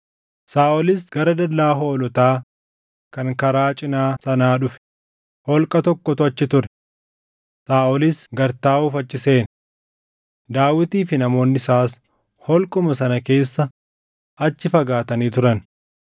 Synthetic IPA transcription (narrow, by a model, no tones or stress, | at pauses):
saːʔɔlɪsɡ̥ɐɾɐd̪ɐlːaːɦoːlɔt̪aː | kɐŋkɐɾaːt͡ʃʼɪnaːsɐnaːᶑʊfɛ̥ | hɔlkʼɐt̪ɔkːɔt̪ʊɐt͡ʃːɪt̪ʊɾɛ̥ | saːʔɔlɪsɡɐɾt̪aːʔuːfɐt͡ʃːɪse̞ːn | d̪aːwɪt̪iːfɪnɐmo̞ːnːɪsaːs | hɔlkʼʊmɐsɐnɐke̞ːsːɐ | ʔɐt͡ʃːɪfɐɡaːt̪ɐniːt̪ʊɾɐn